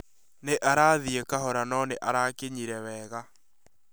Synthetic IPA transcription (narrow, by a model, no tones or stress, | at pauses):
neʔaɾaːðiekaɦɔɾanɔneʔaɾakeɲiɾɛwɛːɣa